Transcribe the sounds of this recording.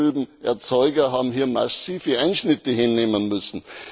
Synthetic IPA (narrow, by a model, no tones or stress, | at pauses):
yːbm̩ʔɛɐt͡sɔʏɡɐɦaːbm̩ɦiːɐmasiːfəaɪnʃnɪtəɦɪnːeːmənmʏsn̩